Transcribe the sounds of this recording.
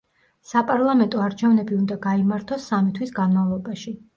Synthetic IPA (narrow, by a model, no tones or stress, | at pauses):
sapʼaɾlˠamɛnt̪ʼɔaɾt͡ʃʰɛvnɛbiund̪aɡaimaɾt̪ʰɔsːamit̪ʰwisɡanmavlˠɔbaʃi